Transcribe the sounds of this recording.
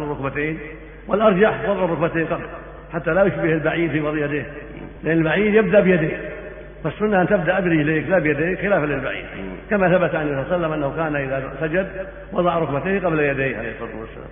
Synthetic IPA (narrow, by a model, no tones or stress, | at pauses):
nrˤːʊkbat̪eːn | wɪlʔɑɾˤd͡ʒaħwɑðˤʕʊrˤːʊkbat̪eːqɑbl | ħat̪ːalajʊʃbɪhɪlbaʕiːd̪fiwɑðˤʔjad̪eːh | lɪʔaɪnːɪlbaʕiːd̪jɪb̚d̪aʔbɪjad̪eːk | fassʊnːaʔant̪ab̚d̪aʔad̪ɾileːklabjad̪eːkxɪlaːfalɪlbaʕḭːd̪kamaθabat̪ʕansɑsalːamʔanːahukaːnaʔɪðasad͡ʒad̪ | wɑd̪ˤɑʕɾˤʊkbat̪eːqɑblajad̪eːhʕalḛːhsfɑt̪ːṵwa̰sːa̰la̰ːm